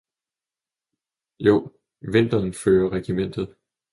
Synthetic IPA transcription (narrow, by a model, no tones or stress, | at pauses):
jo̝̰ː | ʋe̝n̰d̥ɐːnføːɐʁɛɡ̥imen̰d̥ð̞̩ˠ